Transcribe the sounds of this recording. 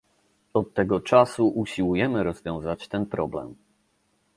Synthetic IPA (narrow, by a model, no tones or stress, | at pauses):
ɔt̪ːɛɡɔt͡ʂasuʔuɕiwujɛmɘɾɔzvʲjɔ̃w̃zat͡ɕt̪ɛnpɾɔblɛ̰m